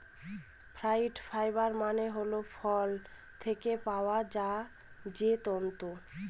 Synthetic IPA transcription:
fʰɾajɖfʰajbaɾmaneɦolofʰɔl | t̪ʰekepaoad͡ʑa | d͡ʑet̪ɔnt̪o

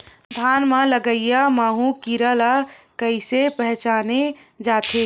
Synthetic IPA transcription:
d̪ʱaːnmãləɡəijamaːɦũkiɾaːlakəisepɛɦt͡ʃaːned͡ʒaːt̪eː

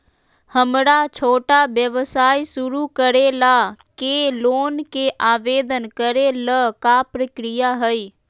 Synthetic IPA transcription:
həmɾat͡ʃʰoːʈabjəʋsaːisʊɾukəɾelaːkeːloːnkeʔaːʋeːd̪ənkəɾeləkapɾəkɾɪjaɦəi

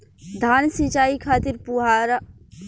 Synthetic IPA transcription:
d̪ʱaːnsit͡ʃaːikʰaːt̪iɾpuɦaɾ

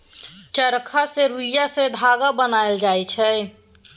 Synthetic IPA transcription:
t͡ʃəɾkʰaseɾujased̪ʱaɡabənajld͡ʒajt͡ʃʰɛ

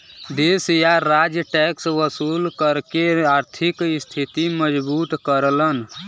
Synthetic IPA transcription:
d̪esjaɾad͡ʒjəʈɛksʋəsuːlkəɾkeaːɾt̪ʰikɪst̪ʰit̪iməd͡ʒbuːt̪kəɾlən

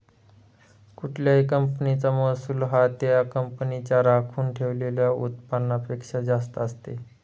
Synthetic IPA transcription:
kuʈʰljaɦikəmpənit͡samɔsuːlɦat̪jakəmpnit͡ɕjaɾakʰuːnʈʰeʋleljaṵt̪panːapekʂad͡zast̪əəst̪e

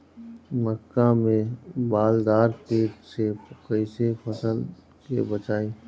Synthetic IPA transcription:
məkːamẽbaːld̪aːɾpeːʈsekəɪsefəsəl | kḛbət͡ʃaːeː

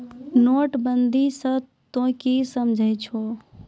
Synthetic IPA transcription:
noːʈbənd̪ʱisə̃ | t̪õkisəmd͡ʒʱəjt͡ʃʰoː

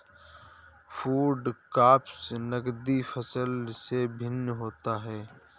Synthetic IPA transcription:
fʰuːɖkaːpsnəɡd̪ifʰəsəlsebʱɪnːɦoːt̪aɦɛː

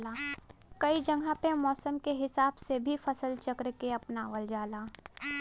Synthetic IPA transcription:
laːkɐid͡ʒɐŋɡʱãpemɔːsəmkeɦɪsaːbsebʱifɐsəlt͡ʃɐkɾkeɐpnaːʋəld͡ʒaːlaː

